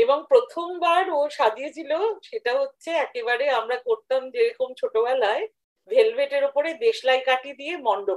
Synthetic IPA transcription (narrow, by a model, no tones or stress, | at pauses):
eboŋpɾot̪ʰombaɾoʃad̪iet͡ɕʰiloʃeʈaɦotːɕʰeɛkebaɾeamɾakoɾt̪amd͡ʑeɾɔkomt͡ɕʰoʈobɛlae | bʱelbʱeʈeɾopoɾed̪eʃlajkaʈid̪ijemɔɳɖo